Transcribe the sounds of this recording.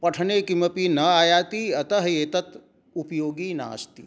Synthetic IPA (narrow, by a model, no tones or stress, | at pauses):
pɐʈʰneːkimɐpiːnɐaːjaːt̪iːɐt̪ɐɦjeːt̪ɐt̪ | upjoːɡiːna̰ːst̪iː